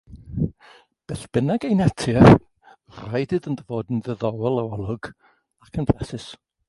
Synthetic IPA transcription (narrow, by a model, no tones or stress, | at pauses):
b̥ɛːθb̥ənaɡejnɛtʰjə | rajdɨðəndəvoːdn̩ðɛðɔwɛlˠawɔlˠʊɡ̥ | akʰənpʰlɛsɪs